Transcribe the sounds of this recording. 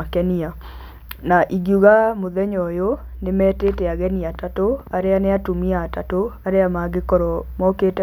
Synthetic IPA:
akɛnia | naʔiɡjuɣamoðɛɲɔjo | nemɛtetɛaɣɛniatatoaɾeaneatumiaːtatoaɾeamaɡekɔɾɔmɔketɛ

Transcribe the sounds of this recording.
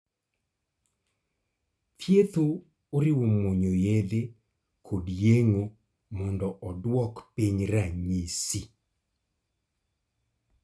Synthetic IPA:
tjet̪oː | ɾɪwomoɲojed̪e | kʰodjeŋo | mɔndɔʔɔdwɔkpiɲɾaɲisi

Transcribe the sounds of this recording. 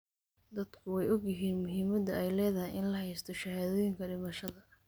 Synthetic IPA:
d̪ɐd̪kʰʊwɛjɔɡjɪɦiːnmʊɦiːmɐd̪ɐɛjlɛːðɐɦɪjɪnlɐɦɛjst̪ʰɔʃɐhaːðɔːjɪŋkʰɐɖɪmɐʃɐðɐ

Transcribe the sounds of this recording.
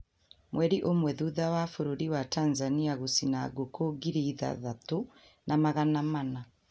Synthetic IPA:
mwɛɾiʔomwɛðuðawafoɾoɾiwatanzaniaɣusinaɡokoɡiɾiða̰ðato | nʔamaɣanamana

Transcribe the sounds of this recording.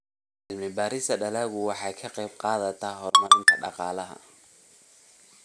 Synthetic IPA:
ʕɪlmɪbaːɾɪsɐɖɐlaːɣʊwɑħɑjkʰɐqɛjbqɑːðɐt̪ʰaːɦɔrmɐɾɪnt̪ʰɐɖɑ̰qɑːlɐɦɐ̰

